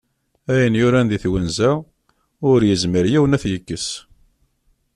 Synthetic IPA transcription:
æjənjʊɾænd̪iθwənzæ | ʊɾjəzməɾjiwənæθjəkːəs

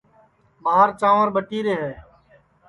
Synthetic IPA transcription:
məɦaːɾt͡ʃãːʋəɾbəʈiːɾeːɦɛː

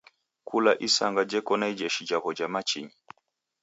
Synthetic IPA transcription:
kʰulaʔisaŋɡad͡ʒɛkɔnaid͡ʒɛʃid͡ʒaβɔd͡ʒamat͡ʃḭɲi

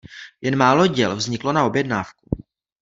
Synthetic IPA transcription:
jɛnmaːloɟɛlvzɲɪklo̞nao̞bjɛdnaːfku

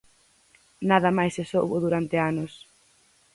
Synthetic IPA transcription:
naðɐmajsɪsowβʊðuɾant̪ɪanʊs

